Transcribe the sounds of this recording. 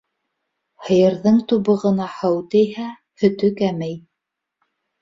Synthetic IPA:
hɤ̆jɤ̆ɾðɤɴt̪uβɤ̆ʁɤ̆nɑhɤwt̪ɘjhæ | hɵ̆t̪ɵkæmæj

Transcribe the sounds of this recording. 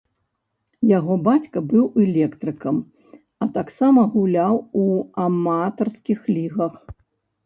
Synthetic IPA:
jaɣɔbat͡sʲkɐbɨwɛlʲɛkt̪ɾɨkɐm | ɐt̪aksamɐɣulʲawuamat̪ɐrskʲixlʲiɣɐx

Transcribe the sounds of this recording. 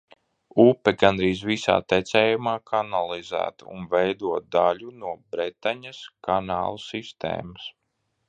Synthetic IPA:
upɛɡand̪ɾiːzvisa̰ːt̪ɛt̪sɛːjumaːkʰanalˠizæ̰ːt̪ṵnvɛjd̪uɔt̪̚d̪alunuɔbɾɛt̪aɲaskana̰ːlˠusist̪ḛːmas

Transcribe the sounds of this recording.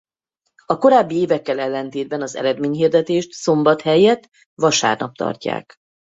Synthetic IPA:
ɒko̞ɾaːbːieːvɛkːɛlɛlːɛnt̪eːd̪̚bɛnɒzɛ̰ɾɛd̪meːɲɦiːrd̪ɛt̪eːʃt̪so̞mbɒt̪hɛjɛt̪ | ʋɒʃa̰ːrnɒp̚t̪ɒ̰rca̰ːk

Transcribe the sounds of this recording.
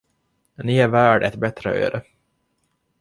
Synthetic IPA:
nɪæɾvæːɖɛt̪bɛt̪ɾə̰ø̰ːɾə

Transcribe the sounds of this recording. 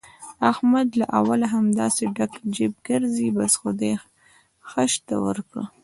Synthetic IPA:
ahmad̪laʔawalaɦamd̪ɑseɖakd͡ʒeb̚ɡəɾzibasxod̪e | xəʃt̪a̰wə̰ɾkɽə̰

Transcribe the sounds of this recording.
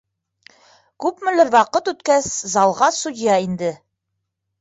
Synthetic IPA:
kʉpmɘ̆lɘɾwɑqɤt̪ʉt̪kæszɑlˠʁɑsud̪ʲɪjɑind̪ɘ

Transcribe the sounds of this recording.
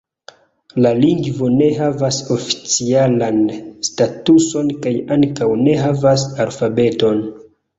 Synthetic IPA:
laliŋɡvo̞ne̞ɦavaso̞fi̥t͡sialanstatuso̞nkajaŋkawne̞ɦavasalfabe̞to̞n

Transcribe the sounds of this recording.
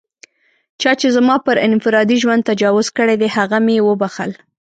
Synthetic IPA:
t͡ʃɑt͡ʃezmɑpəɾɪnfɪɾɑd̪iʒwand̪̚t̪ad͡ʒɑwʊzkəɽed̪ehaɣamjewəbaxəl

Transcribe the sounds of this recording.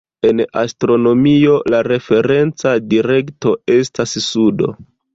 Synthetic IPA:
e̞na̰stɾo̞no̞mio̞laɾe̞fe̞ɾe̞nt͡sadiɾe̞kto̞e̞stassudo̞̰

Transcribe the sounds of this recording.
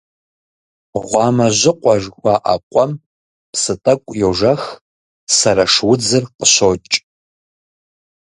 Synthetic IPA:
ʁʷɑːmɐʒʷɪqʷʼaʒwʷaʔa̰qʷʼɔm | psɨtʼɐkʷʼjowʒɐx | sɐɾaʂwʊd͡zɨrqəʃot͡ʃʼ

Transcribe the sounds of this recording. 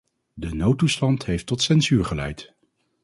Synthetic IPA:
dənowtːustɑntɦejftɔtsɛnzyːɹχəlɛ̰jt

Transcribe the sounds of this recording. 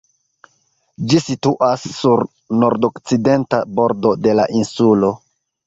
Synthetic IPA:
d͡ʒisituʔasːuɾ | no̞ɾdokt͡side̞ntabo̞ɾdo̞de̞la̰ʔinsulo̞

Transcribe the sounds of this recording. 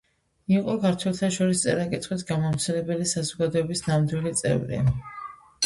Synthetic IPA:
iqʼɔkʰaɾt̪ʰwɛlˠt̪ʰaʃɔɾis̬t̪sʼɛ̰ɾakʼit̪ʰχwisɡamɔɾsʰɛlɛbɛlisazɔɡad̪ɔɛbisnamd̪wilit̪sʼɛ̰vɾḭ

